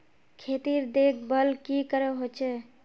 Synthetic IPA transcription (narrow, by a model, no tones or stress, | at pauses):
kʰet̪iɾd̪ek̚ʰbəlkikəɾɛɦot͡ʃʰɛ